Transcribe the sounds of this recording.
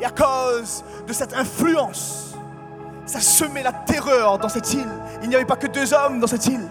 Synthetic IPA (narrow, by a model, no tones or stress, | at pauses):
eakoz | d̪əsɛt̪ɛ̃flyɑ̃s | asəmɛlat̪eʁœʁd̪ɑ̃sɛt̪il | ilnijavɛpakəd̪øzɔmd̪ɑ̃sɛt̪il